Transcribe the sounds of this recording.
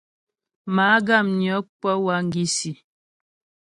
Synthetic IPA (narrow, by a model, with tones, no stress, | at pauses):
ma˨˦ɡa˦˨mnjɔ˨˦k͡pə˦wa˦ŋ̩˦ɡi˦si˨